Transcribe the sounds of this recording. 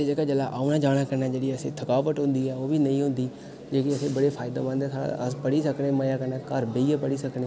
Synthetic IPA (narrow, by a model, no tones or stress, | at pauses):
ed͡ʒəɡaːd͡ʒəlaːʔaːunaːd͡ʒaːɽ̃ãːkəɾnɛːd͡ʒeːɽiːəsẽːt̪ʰəkaːʋəʈ̪ɦʊ̃nd̪iːɛːoːbiːnəĩːɦʊ̃nd̪iː | d͡ʒeːkɪəsẽːbəɽeːpʰaːɪd̪ã̰ːmə̃nd̪ẽːsʰaːɽa̰əspəɽiːsəkɽẽːməjaːkəɾnɛ̃ːkəɾbeiːaːpəɽiːsəkneː